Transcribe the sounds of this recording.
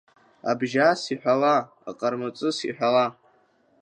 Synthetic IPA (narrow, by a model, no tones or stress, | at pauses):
a̰bʒasiħʷᶣala̰ː | qʼarmat͡sʼɨsḭħᶣʷala